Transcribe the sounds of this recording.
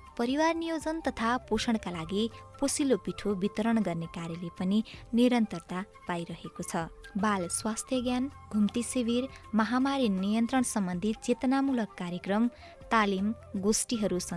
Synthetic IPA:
pʌɾiwarnijod͡zʌnt̪ʌt̪ʰaposʌɽ̃kalaɡiposilopiʈʰobit̪ʌɾʌɽɡʌrnekaɾjʌlepʌniniɾʌnt̪ʌrt̪a | pajɾʌɦekot͡sʰʌbalswast̪ʰjʌɡjanɡʱumt̪isibirmʌɦamaɾinijʌnt̪ɾʌɳsʌmbʌnd̪ʱit͡set̪ʌnamulʌkːaɾjekrʌm | t̪alim | ɡosʈiɦʌɾusʌ

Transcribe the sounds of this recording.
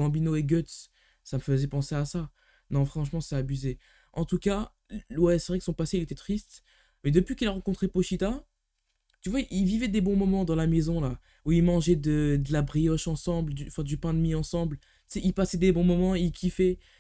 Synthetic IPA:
ɑ̃binoeɡʲœt̪s | saməfəzɛpɑ̃seasa | nɔ̃fχɑ̃ʃmɑ̃sɛabyze | ʔɑ̃t̪uka | lwɛsəvʁɛkəsɔ̃paseilet̪ɛt̪χist̪ | mɛd̪əpɥikʲilaʁɑ̃kɔ̃t̪χepoʃit̪a | t̪yvwaiʔilvivɛd̪ebɔ̃mɔmɑ̃d̪ɑ̃lamezɔ̃la | uilmɑ̃ʒɛd̪əd̪əlabʁijɔʃɑ̃sɑ̃bld̪ỹfɛ̃d̪ypɛ̃d̪miɑ̃sɑ̃bl̥ | sɛilpasɛd̪ebɔ̃mɔmɑ̃ilkʲʰifɛ

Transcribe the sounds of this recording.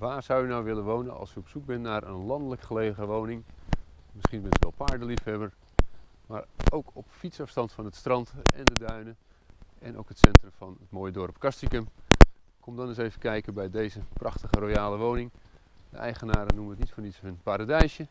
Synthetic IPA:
ʋaːrz̥awjənawʋɪlənʋownənɑ̰lˠsyɔpsuk̚bɪnːaːɾʔə̰nlɑndələkχəlejəɣəʋownɪŋ | mɪsχinbɪntʋɛ̰lˠpaːɹdəlifɛbər | maːrowkʰɔpfitsɑfstɑntfɑnɦətstrɑntɛ̰ndədœɥnə | ɛ̰nʔo̰wkətsɛntrəmfɑnət̚moːjədɔrpkɑstikəm | kʰɔmdɔnɪsejvəkɛjkəbɛjdejzəprʔɑχtəχərojaːlˠəʋownɪŋ | də̰ʔɛjχənaːɾənuməətnitfɔnitshənpaɾadɛjsjə

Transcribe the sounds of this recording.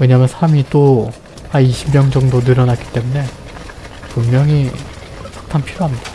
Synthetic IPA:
we̞ɲaːmjʌnsʰamit͈o | aiɕʰimmjʌŋd͡ʑʌŋdonɯɾʌnat̚k͈i̥t͈e̞mune̞ | pummjʌŋi | sʰḁtʰanpʰiɾoɦamɲidḁ

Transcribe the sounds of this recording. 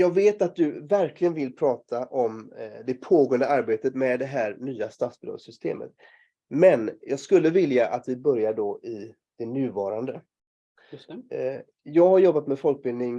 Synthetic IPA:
jɑːɡveːt̪at̪̚d̪ɵvæɾklɪɡənvɪlpʰɾɑːt̪ʰaʔɔmd̪ɛpʰoːɡoːənd̪əaɾbeːt̪ət̪mɛd̪ɛɦæːɾnyːast̪at̪sbɪo̰sʏst̪ʰḛːmə̰t̪ | mɛnjɑːɡskɵlːəvɪljaʔat̪vɪbœɾjaɖɔɪ | d̪̥ɛnʉ̟ːvɑːɾand̪ə | jɑːɡhaɾjɔbːat̪mɛfɔlk̚bɪlnɪŋ

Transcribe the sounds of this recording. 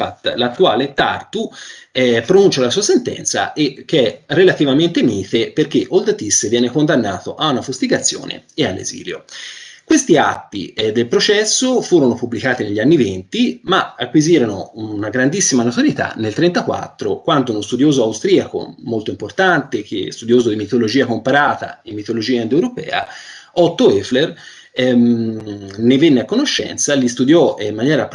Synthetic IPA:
at̪ːlat̪ːuaːlet̪a̰rt̪uɛpːɾonunt͡ʃalasuːasent̪ɛ̰nt̪sa̰ʔek̟ːeɛrelat̪ivament̪emiːt̪eperk̟eʔold̪t̪isːvjɛːnekond̪anːaːt̪oʔaunafust̪iɡat̪sːjo̰ːnḛealːḛzḭːljo̰kwest̪iat̪ːḭd̪elpɾot͡ʃɛsːofuːɾonopubːlikaːt̪ineʎːanːivent̪imaakwiziːɾononaɡɾand̪isːimanot̪oɾjit̪a̰nːelt̪ɾɛnt̪akwa̰t̪ːɾokwand̪ounost̪ud̪joːzoawst̪ɾiako̰molt̪oimport̪ant̪ek̟ḛst̪ud̪joːzod̪imit̪olod͡ʒiːakompaɾaːt̪a̰imːit̪olod͡ʒiːaand̪ewɾopɛ̰ːa̰ɔt̪ːoɛfler | nevenːeakːonoʃːɛ̰nt̪salist̪ud̪jɔimːanjɛːɾa

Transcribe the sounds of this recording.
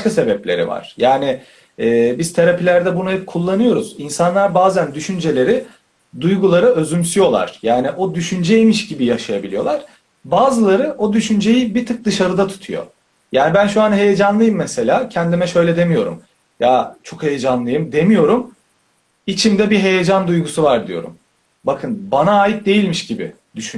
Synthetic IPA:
kase̞bɛplʲeɾḭva̰ɾ̥jaːni | ɛːbiz̥t̪ʰeɾapʰilʲæɾd̪ɛbunaɛɛp̚kʰulˠːanɯjo̞ɾuz̥insanlˠaɾbaːzænd̪yʃynd͡ʒe̞lʲe̞ɾi | d̪ujɡulˠaɾɯø̞zymsyjo̞lˠa̰ɾ̥jaːniʔo̞d̪yʃynd͡ʒɛemiʃɟibijaʃajabilʲijo̞lˠaɾ̥ | baːzɯlˠaɾɯʔo̞d̪yʃynd͡ʒe̞jibit̪ʰɯk̚d̪ɯʃaɾɯd̪at̪ʰu̥t̪ʰujo̞̰ | jaːnibænʃuanɦe̞jed͡ʒanlˠɯjɯmːɛse̞lʲaːcʰɛnd̪imɛʃø̞jlʲɛd̪e̞mijo̞ɾṵm | jat͡ʃʰo̞khe̞jed͡ʒanlˠɯjɯmd̪e̞mijo̞ɾum | it͡ʃʰimd̪ɛbiɦe̞jed͡ʒand̪ujɡusuvaɾd̪ijo̞̰ɾṵm | bakʰɯnbanaːjit̪̚d̪e̞jilʲmiʃɟibɪ̰ | d̪̥yʃy

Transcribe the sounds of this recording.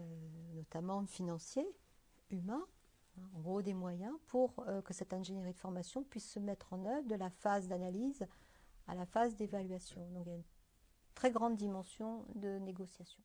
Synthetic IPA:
ønɔt̪amɑ̃finɑ̃sje | ymɛ̃ | ɛ̃ɑ̃ɡʁod̪emwajɛ̃pʰuʁøkəsɛt̪ɛ̃ʒenjeʁid̪əfɔʁmasjɔ̃pɥisːəmɛt̪χɑ̃nœvʁd̪əlafazd̪analiz | a̰lafazd̪evalɥasjɔ̃d̪ɔ̃kijayn | t̪χɛɡʁɑ̃d̪ːimɑ̃sjɔ̃d̪əneɡɔsjasjɔ̃

